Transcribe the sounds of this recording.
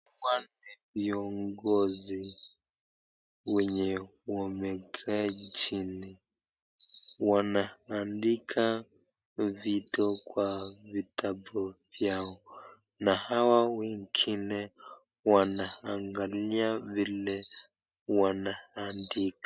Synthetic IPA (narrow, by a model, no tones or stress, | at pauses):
wanɛviɔŋɡɔzi | wɛɲɛwɔmɛkʰɛat͡ʃini | wanaːndikʰa | vitɔkwavitʰabɔvjaɔ | nahawawɛŋɡinɛ | wanaaŋɡaliavilɛ | wanaandikḁ